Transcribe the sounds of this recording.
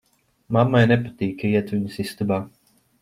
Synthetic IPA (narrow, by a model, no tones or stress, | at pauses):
mamːajnɛpat̪iːkaiɛt̪ʋʲiɲusist̪ubaː